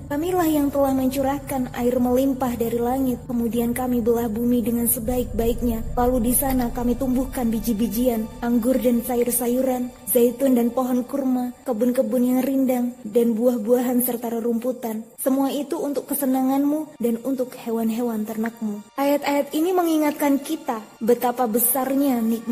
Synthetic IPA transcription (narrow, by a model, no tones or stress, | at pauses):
kamilahjaŋt̪əlahməɲt͡ʃuɾakana̰ɪrməlimpahdaɾilaŋɪt̪̚kəmudiankamibəlahbumidəŋansəbaɪk̚baɪk̚ɲalaludisanakamit̪umbuhkanbid͡ʒibid͡ʒianʔaŋɡʊrdansaʊrsajuɾan | zait̪ʊndanpoɦɔnkurmakəbʊnkəbʊnjaŋrindaŋdanbuahbuaɦansərt̪aɾəɾumput̪ansəmuait̪uːnt̪ʊkːəsənaŋanmudanunt̪ʊkhewanɦewant̪ərnak̚muʔajat̪ajat̪̚iniməŋiŋat̪̚kankit̪abət̪apabəsarɲanik̚